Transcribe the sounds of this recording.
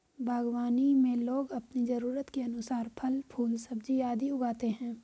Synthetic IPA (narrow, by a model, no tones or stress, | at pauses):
bʱaːɡwaːnimẽloːɡɐpnizɐɾuːɾət̪keɐnʊsaːɾpʰɐlpʰuːlsɐbd͡ʒijaːd̪iʊɡaːt̪eɦɛ̃ː